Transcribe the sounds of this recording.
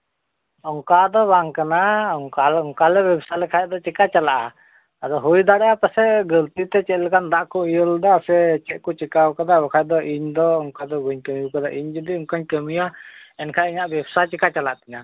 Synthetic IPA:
ɔŋkad̪ɔbaŋkanaɔŋkalɔŋkalɛbɛbsalɛkʰajd̪ɔt͡ʃɛkat͡ʃalaʔa | ad̪ɔɦujd̪aɽɛʔapasɛɡəlt̪it̪ɛt͡ʃɛt̪̚lɛkand̪aʔkɔijəld̪asɛt͡ʃɛʔ̪̚kɔt͡ʃikawkad̪abɔkʰajd̪ɔʔiɲd̪ɔɔŋkad̪ɔbəɲkəmijkad̪aʔiɲd͡ʒud̪iɔŋkaɲkəmijaɛnkʰajiɲaʔbɛbsat͡ʃikat͡ʃalaʔt̪ɛɲa

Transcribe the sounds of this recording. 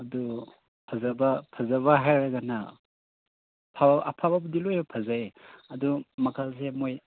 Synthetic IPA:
ɐdu | pʰazabapʰazaβaɦajɾaɡana | pʰaba̰pʰababudilojapʰazajɐdumakʰals̬emoj

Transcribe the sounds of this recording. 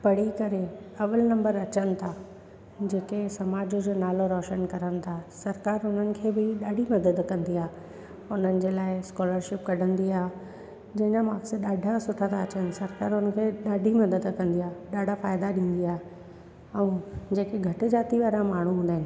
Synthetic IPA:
pɐɽ̤ikɐɾeɐʋəlnɐ̃mbəɾɐt͡ɕənɪ̆t̪ʰa | d͡ʑeːkesɐmaːd͡ʑʊd͡ʑoːnaːloɾɔːʃənkɐɾənɪ̆t̪ʰasɐɾkaːɾʊn̤ənɪ̆kʰeːbɪɗaːɖʱimɐd̪əd̪kɐ̃nd̪iaːɦ | ʊn̤ənɪ̆d͡ʑeːlaːɪskɔːləɾʃɪp̚kɐɖʱə̃nd̪iaːɦ | d͡ʑɐ̃ɦɪ̃ɲamaːkseɗaːɖʱasʊʈʰə̃t̪ʰaːt͡ɕənɪ̆sɐɾkaːɾʊnəkʰeːɗaːɖʱimɐd̪əd̪kɐ̃nd̪iaːɦɗaːɖʱafaːɪd̪aɗĩːn̆d̪iaːɦ | ɛ̃ːd͡ʑeːkeɡʱɐʈɪ̆d͡ʑaːt̪iʋaːɾãmaːɳ̤ũɦũːnd̪aɦɪnɪ̆

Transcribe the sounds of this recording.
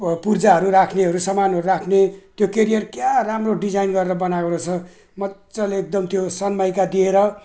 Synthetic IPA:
purd͡zaɦʌɾuɾakʰneɦʌɾusʌmanɦʌɾuɾakʰnet̪jokeɾijʌrkjaramroɖid͡zajnɡʌɾeɾʌbʌnaɡoɾʌt͡sʰʌ | mʌt͡sʌleek̚d̪ʌmt̪josʌnmʌjkad̪ieɾʌ

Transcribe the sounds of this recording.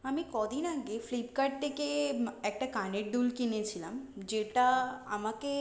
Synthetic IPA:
amikɔd̪inaɡeflipkaɖ̚t̪ekeɛkʈakaneʈ̚ɖ̪ulkinet͡ɕʰilamd͡ʑeʈaa̰make

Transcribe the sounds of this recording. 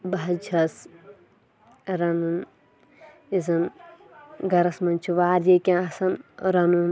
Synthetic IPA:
baɐd͡ʒʰʱɐs | ɾɐnun | izɐn | ɡɐɾɐsmɐnt͡ʃʰiʋaːɾjekʲãɐsɐnɾɐnum

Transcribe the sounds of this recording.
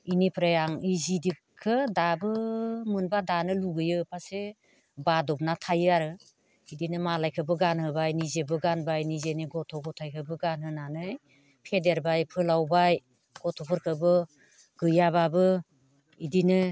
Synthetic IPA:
inipʰɾajaŋizidikkʰːɯdabɯmɯnbadanɯluɡɯjɯpʰase | badɔb̚natʰajaɾɯ | idinɯmalajkʰɯbɯɡanhɯbajnizebɯɡanbajnizeniɡɔtʰɔɡɔtʰajkʰɯbɯɡanɦɯnanɯj | pʰedeɾbajpʰɯlawbaj | ɡ̥ɔtʰɔpʰɯɾkʰɯbɯ | ɡɯjaβabɯ | idinɯ

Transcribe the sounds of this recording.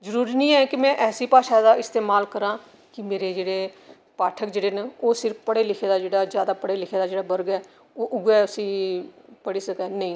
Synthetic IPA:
zəɾuːɾiːnĩːɛːkɪmɛ̃ːʔɛːsiːpaːʃaːd̪aːɪst̪eːmaːlkəɾãː | kɪmeːɾeːd͡ʒeːɽeː | paːʈʰəkd͡ʒeːɽeːneoːsɪɾfpəɽeːlɪkʰeːd̪aːd͡ʒeːɽaːd͡ʒjaːd̪aːpəɽeːlɪkʰeːd̪aːd͡ʒeːɽaːbəɾɡɛː | oːʔʊɡɛːʊsĩːpəɽiːsəkɛːnəĩː

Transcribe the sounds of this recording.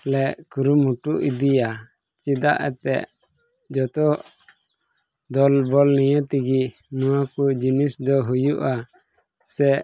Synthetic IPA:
lɛʔkuɾumhuʈuʔid̪ija | t͡ʃid̪a̰ʔɛ̰t̪ɛ̰ʔ | d͡ʒɔt̪ɔʔ | d̪ɔlbɔlnɛjat̪iɡi | nuwakud͡ʒinisd̪ɔɦujuʔa | sɛ

